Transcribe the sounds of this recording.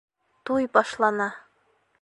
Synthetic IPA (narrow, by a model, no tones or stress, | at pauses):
t̪ujbɒʃlˠɑnɑ